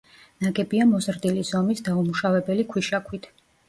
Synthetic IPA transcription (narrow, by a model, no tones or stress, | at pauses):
naɡɛbiamɔzɾd̪ilizɔmisd̪aumuʃavɛbɛlikʰwiʃakʰwit̪ʰ